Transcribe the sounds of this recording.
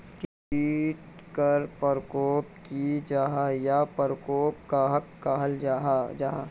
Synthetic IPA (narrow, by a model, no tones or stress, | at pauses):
k | iːʈ | kəɾpəɾkoːpkid͡ʒaːɦajapəɾkoːpkaɦɐkːaɦəld͡ʒaɦd͡ʒaɦa